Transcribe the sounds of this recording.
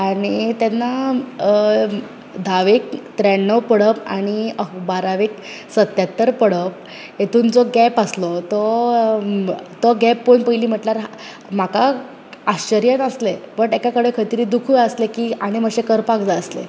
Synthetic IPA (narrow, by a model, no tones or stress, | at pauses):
aɽ̃it̪anːa | d̪ʱaʋek̚t̪ɾɛɳːəwpəɽəpa̰ɽ̃ibaɾaʋek | sət̪jat̪ːəɾpəɽəp̚ | jet̪ʰuːnd͡zɔɡɛpəslɔt̪ɔ | t̪ɔɡɛpːonpəjliːm̤əʈlaɾ | m̤aka | aɕt͡ɕəɾjənəslepəʈekakəɽekʰət̪iɾiːd̪ukʰujəslekiːaɽ̃eməɕekəɾpakd͡zaəslḛ